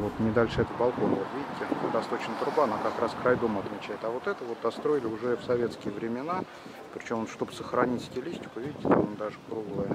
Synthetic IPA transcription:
vo̞t̪nʲɪd̪alʲʂɨɛt̪əpɐlˠkokot̪vʲidʲɪt̪ʲːɪd̪ɐst̪o̞t͡ɕnət̪ɾʊbaɐnakɐkɾaskɾajd̪o̞məɐt̪mʲɪt͡ɕæjɪt̪ɐvo̞t̪ɛt̪əvo̞t̪̚d̪ɐst̪ɾo̞ɪlʲɪʊʐɛfsɐvʲe̞t̪skʲɪjəvɾʲɪmʲɪna | pɾʲɪt͡ɕo̞monʂt̪o̞bɨ̥səxɾɐnʲitʲsʲtʲɪlʲisʲtʲɪ̥kʊvʲidʲɪtʲɪ̥t̪amond̪aʐɨkɾuɡlˠəjə

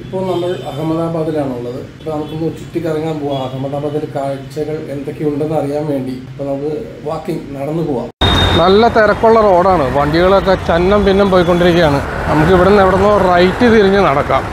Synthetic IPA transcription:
ipːo̞ːɭnɐmːɐɭɐɦɐmɐðaːbaːðilaːɳuɭːɐðɨɐɐpːoːnɐmukːonːut͡ɕuʈːikʲːɐrɐɲːaːmpoːaɐɦɐmːɐðaːbaːðilkaːɭt͡ɕːɐɣɐɭend̪o̞kːeuɳɖenːɐrijaːnʋe̞ːɳɖipːoɭnɐmɐðɨ | ʋaːkːiŋnɐɽɐnːuɨpoːɣa̰ːmnɐlːɐt̪eɾɐkːuɭːɐro̞ːɽaːɳɨʋɐɳɖiɣɐɭok̬ːet͡ɕɐnːɐmpinːɐmpoːjkːo̞ɳɖiɾikʲːɐjaːɳɨnɐmuk̬ːiʋiɽenːeʋiɽenːoːrɐjtːɨt̪iɾiɲːɨnɐɽɐkːa̰ːm

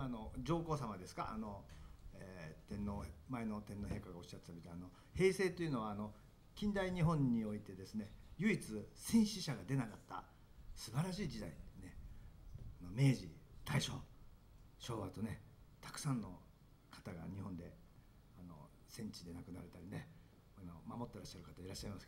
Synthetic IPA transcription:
ano̞d͡ʑo̞ːko̞ːsamad̪e̞sɨ̥ka̰ʔa̰no̞et̪ẽ̞nːo̞maeno̞t̪enːo̞ɦẽ̞ŋkaɡao̞ɕːat̪ːe̥t̪amʲit̪aano̞ | he̞ːse̞ːt̪o̞iɯ̟no̞βaːno̞ | kʲĩnd̪aiɲ̟iɦõ̞ɲ̟ːio̞it̪e̞d̪e̞sɨne̞jɯ̟it͡sɨsẽ̞ɰ̃ɕiɕaɡad̪e̞nakat̪ːa̰ | sɨbaɾaɕ̬iːd͡ʑid̪ait̪ne | ano̞me̞ːʑit̪aiɕo̞̰ː | ɕo̞ːβat̪o̞ne̞t̪ʰḁkɯ̟̥sãnːo̞ | kʰḁt̪aɡa̰ɲ̟ihõ̞nd̪e̞̰ | ano̞̰ | sẽ̞ɲ̟t͡ɕid̪e̞nakɯ̟naɾet̪aɾʲine̞ | anomamo̞t̪ːe̞ɾaɕːaɾɯ̟kat̪aiɾaɕːaimasɨ̥

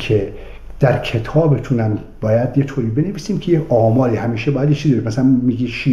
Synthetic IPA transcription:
kʰe | d̪̥æɾkʰe̞t̪ʰɒːbet̪ʰunæm | b̥ɒːjæd̪je̞t̪ʰoːɾiːbe̞neviːsiːmcʰejeɒːmɒːɾiːhæmiːʃebɒːjæd̪jet͡ʃʰizieɾimæsælænmiːɡiːt͡ʃʰi

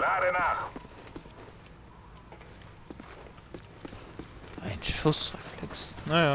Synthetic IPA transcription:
laɾenaχ | ʔaɪnʃʊsʁɛflɛksnaja

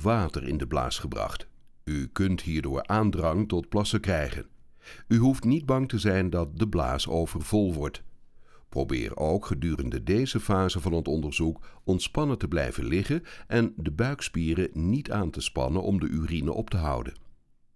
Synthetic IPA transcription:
ʋaːtərɪ̰ndəbla̰ːsχəbrɑ̰χt | ykɵntɦiːɹdʊːɹaːndrɑŋtɔt̚plɑsəkrɛjχə̰n | yɦuftnid̚bɑŋtəzɛjndɑt̚dəbla̰ːsowvərvɔlˠʋɔɹt | pro̰wbɪ̰ːrowkχədyːrəndədejzəfaːzəvɑnɦətɔndəɹzukɔntspɑnətəblɛ̰jvə̰nlɪχənʔɛndəbœɥkspiːrənitʰaːntəspɑ̰nənʔɔ̰mdəʔyrinə̰ʔɔptəɦɑ̰wdə̰n

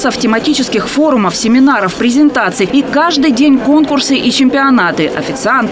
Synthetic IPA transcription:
səftʲɪmɐtʲit͡ɕɪskʲɪxfo̞ɾʊməfsʲɪmʲɪnaɾəfpɾʲɪzʲɪnt̪at̪sɨjikaʐd̪ɨjdʲenʲko̞nkʊrsɨʔit͡ɕɪmʲpʲɪɐnat̪ɨʔɐ̰fʲɪt̪sɨant̪

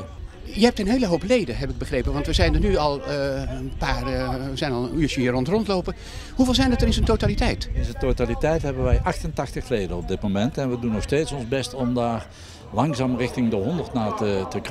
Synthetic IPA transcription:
jəɦɛp̚tənɦejləɦowplejdəɦɛpɪɡ̚bəχrejpənʋɑntʋəzɛjndənyɑlˠənpaːrəzɛjnɑlˠyːt͡ʃəiːrɔntrɔntlowpə | huveːlˠzɛjndətərɪnsəntotalitɛjtɪsəntotalitɛjtɦɛbənʋɛjʔɑχtəntɑχtəχlejdənɔb̚dɪtmomɛntɛnʋədunɔχsteːtsɔnzbɛstɔmdaːɹ | lɑŋzaːmrɪxtɪŋdəɦɔndəɹtnaːtətək

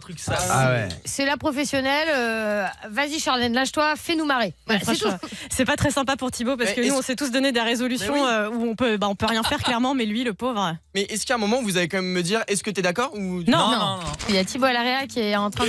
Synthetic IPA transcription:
t̪χyksaa̰wɛsɛlapχɔfesjɔnɛløvaziʃaʁlɛd̪lɛ̃ʃt̪wafɛnumaʁeɛsɛsɛpat̪χɛsɛ̃p̬apuʁt̪ʰibop̬aʁskənuɔ̃sɛt̪us̬d̪ɔned̪eʁezɔlysjɔ̃øuɔ̃pøbaɔ̃pøʁjɛ̃fɛʁklɛʁmɑ̃mɛlɥiləpovʁəmɛʔɛskaɛ̃mɔmɑ̃uvuzalekɑ̃mɛmːəd̪iʁɛskət̪yɛd̪akɔʁunɔ̃nɔ̃jat̪ʰiboalaʁeakʲiɛɑ̃t̪χɛ̃

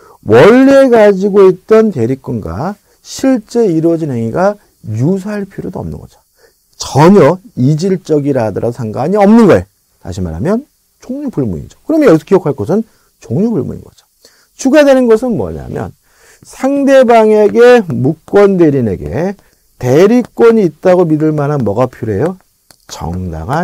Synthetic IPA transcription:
wʔʌɭːeɡad͡ʑiɡoit̚t͈ʌnte̞ɾik͈unɡa̰ | ɕʰiɭt͡ɕ͈e̞iɾwʌd͡ʑinɦeŋiɡa | jus̬ʰaaɭpʰiɾodoʌ̰mnɯ̰nɡʌd͡ʑo̥ | t͡ɕʌɲʌid͡ʑiɭt͡ɕ͈ʌɡiɾadɯɾʔa̰sʰaŋɡaɲiʌmnɯnɡʌḛ | ta̰ɕʰima̰ɾɦamjʌn | t͡ɕoŋɲupuɭmuɲḭd͡ʑo̥kɯɾʌmjʌjʌsʰo̥kiokʰaɭk͈ʌs̬ʰɯn | t͡ɕoŋɲubuɭmṵɲḭnɡʌ̰d͡ʑo̥ | t͡ɕʰuɡadwe̞nɯnɡʌsʰɯnmwʌ̰ɲa̰mjʌ̰n | sʰaŋde̞baŋe̞ɡe̞muk͈wʌnde̞ɾine̞̰ɡḛ | te̞ɾik͈wʌɲiːt̚t͈aɡomidɯɭmananmʌɡapʰiɾoɦe̞jo | t͡ɕʌ̰ŋda̰ɡa

